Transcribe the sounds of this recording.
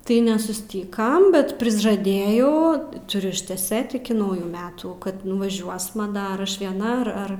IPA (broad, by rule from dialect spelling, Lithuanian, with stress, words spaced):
tɐɪ nʲɛsʊˈsʲtʲiːkɐm bʲɛt pʲrʲɪʒɐˈdʲeːjɛʊ tʊˈrʲʊ ɪʃʲtʲɛˈsʲeːt ɪkʲɪ ˈnɐʊjuː ˈmʲæːtuː kɐt nʊʋɐˈʒʲuɔsmɐ ˈdɐr ˈɐʃ ʋʲiɛˈnɐ ɐr ˈɐr